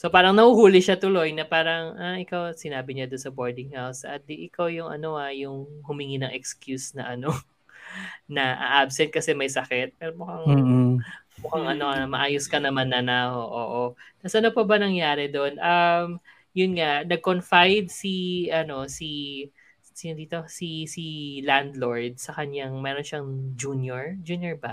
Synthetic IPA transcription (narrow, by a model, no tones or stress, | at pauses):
so̞paːɾɐŋnɐhuhuːlɪʃat̪ʊlo̞jnɐpaːɾɐŋaʔɪkawsɪnaːbɪɲad̪ʊnsɐboɹd̪ɪŋhawsɐ̰t̪̚d̪iʔɪkawjʊŋʔɐ̰no̞ajʊŋhʊmiŋinɐŋɛkskjusnɐ̰ʔɐno̞ | nɐʔɐ̰ʔabsɛnt̪̚kɐsɛmɐjsɐkɛt̪̚pɛɾomʊkaŋ | mʊkaŋʔɐno̞amɐʔaːjʊskɐnɐmanːɐnaʔoʔoːʔot̪ɐsʔɐnopɐbɐnɐŋjaːɾɛd̪oʔnʔɐm | jʊnŋaʔnɐɡ̚konfajd̪̚siɐno̞si | siɐd̪iːt̪o̞sisiland̪lo̞ɹd̪̚sɐkɐɲaŋmɛːɾo̞nʃɐŋd͡ʒunjoɹd͡ʒunjoɹbɐ